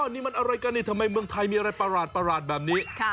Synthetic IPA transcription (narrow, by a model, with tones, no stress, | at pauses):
ʔa˧nːiː˦˥ma˧nʔa˧ɾa˧jkaː˧niː˧˩t̪ʰa˧mːa˧jmɯ˧əŋt̪ʰa˧jmiː˧a˧ɾa˧jpa˧ɾaː˨˩t̪̚pa˧ɾaː˨˩t̪̚bɛː˨˩p̚niː˦˥